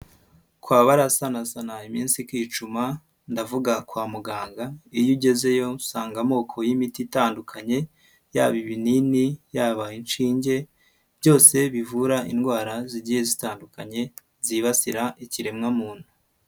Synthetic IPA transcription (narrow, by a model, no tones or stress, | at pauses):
kwaːβaɾasanasanaimiːnsikwiːt͡ʃuma | ndavuɡakwaːmuɡaːŋɡaijuɟe̞ze̞jo̞saːŋɡamo̞ːkʰo̞jimititaːndukʰaɲe̞ | ja̰ːβiβininijaːβainʃiːɲɟe̞ | bjo̞ːse̞βivuɾaʔḭnɡwaːɾaziɟijezitaːndukaɲe̞ | ziβasiɾaʔiciɾe̞mŋamuːn̥hu